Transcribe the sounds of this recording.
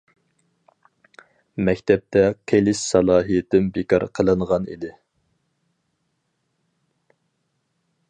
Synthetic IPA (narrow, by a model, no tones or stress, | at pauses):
mɛkʲt̪ʰɛp̚t̪ʰɛkʲʰelɪssɑlˠɑːɦijɪt̪ɪmbekɑɾqʰəlˠɨɴʁɑnḭd̪ɪ